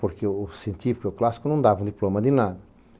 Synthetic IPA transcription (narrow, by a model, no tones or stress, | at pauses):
poɾkeʊsẽnt̪ivkɪʊklasi̥kʊnɐ̃w̃d̪avɐũd̪iplomɐd̪ɪnad̪ɐ